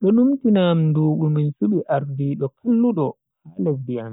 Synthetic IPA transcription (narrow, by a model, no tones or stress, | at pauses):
ɗɔɗumtinamnduːɡuminsuɓiʔaɾdiːɗɔkʰalːuɗɔ | halɛfdian